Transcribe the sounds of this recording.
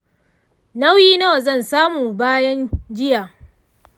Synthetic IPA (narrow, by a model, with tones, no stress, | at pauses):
na˦wjiː˦na˦wa˨zɐ˦˨nsaː˦muː˨baː˦jɐ˦nd͡ʒɪ˦jaː˨